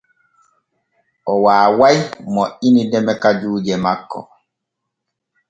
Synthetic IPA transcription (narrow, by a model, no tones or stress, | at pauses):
ʔɔwaːwajmɔʔinidɛmɛkad͡ʒuːd͡ʒɛmakːɔ̰